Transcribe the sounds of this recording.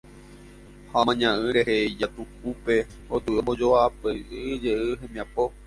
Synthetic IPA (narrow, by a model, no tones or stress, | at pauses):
hamãɲãʔɨ̃ɾeheid͡ʒat̪uk̚upe̞ | ot̪ɨʔomõd͡ʒoapɨʔɨd͡ʒeʔɨɦẽmĩãpo